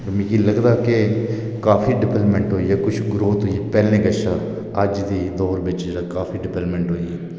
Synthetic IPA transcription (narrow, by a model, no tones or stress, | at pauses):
ɾmĩːkiːləɡd̪aːke | kaːfiːɖɪpɛlpmɛ̃ɳʈɦoːiːɛːkʊt͡ʃʰɡɾoːt̪ɦoːieːpɛːlẽːɡəʃaː | əd͡ʒd̪iːd̪ɔːɾbɪt͡ʃd͡ʒeːɽaːkaːfiːɖɪpɛləmɛ̃ɳʈɦoːiːɛː